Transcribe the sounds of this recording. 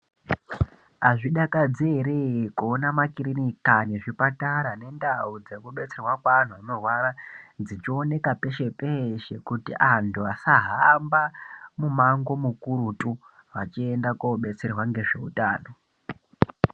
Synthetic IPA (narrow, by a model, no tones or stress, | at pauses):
aʐiɗakad͡zeɾekuonamakiɾinikaneʐipataɾane̞ndaud͡zekuɓe̞t͡se̞rwakwan̤uanorwarad͡zit͡ʃione̞kape̞ʃe̞peʃe̞kutḭʔantʰuasaɦambamumaŋɡo̞mukuɾutu | ʋat͡ʃie̞ndakoɓe̞t͡se̞rwaŋɡe̞ʐe̞utaːno̞